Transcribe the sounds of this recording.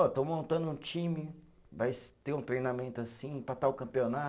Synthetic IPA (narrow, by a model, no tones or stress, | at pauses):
ɔt̪õwmõnt̪ɐ̃nd̪ʊũt͡ʃĩmɪ | vajt̪eɾũt̪ɾejnamẽnt̪ʊasĩpɾat̪awkɐ̃mpiona